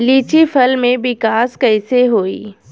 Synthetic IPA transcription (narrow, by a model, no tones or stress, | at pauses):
liːt͡ɕifɐlmẽʋɪkaːskɐɪseɦoːḭː